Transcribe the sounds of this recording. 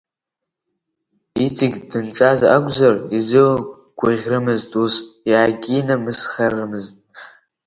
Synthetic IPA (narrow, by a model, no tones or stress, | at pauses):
itʰiɡʲdɨnʈ͡ʂʼaːzɐʔaɡʷzɐrizɨw | ɡ̥ʷʊʁʲrɨmɨztʼusjaːɡʲiːnɐmɨsχɐrɨmɨztʼ